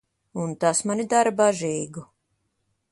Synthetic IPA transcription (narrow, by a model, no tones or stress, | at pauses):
unt̪asmanid̪aɾbaʒɛːɡu